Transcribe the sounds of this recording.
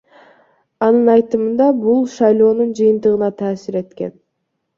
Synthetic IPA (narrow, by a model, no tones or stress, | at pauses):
ɑnɯnɑjt̪ɯmɯnd̪ɑbulˠʃɑjlˠo̞ːnund͡ʒɯjɯnt̪ɯʁɯnɑt̪ʰɑːsiɾe̞t̪ke̞̰n